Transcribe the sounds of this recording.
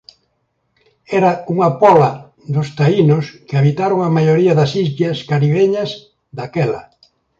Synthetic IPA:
ɛɾɐuŋɐpɔlɐ | ðʊst̪ainʊskɪaβit̪aɾoŋamajoɾiɐðɐsizβjɐskaɾiβeɲɐs | d̪akɛlɐ

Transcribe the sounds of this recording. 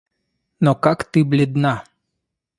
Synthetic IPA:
nɔkakt̪ɨblʲɪd̪na

